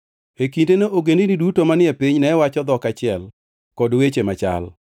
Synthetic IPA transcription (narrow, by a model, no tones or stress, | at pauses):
ekindenoʔoɡendinidutomanɪɛpiɲnɛwat͡ʃɔd̪ɔkat͡ʃɪɛl | kɔdwet͡ʃemat͡ʃa̰l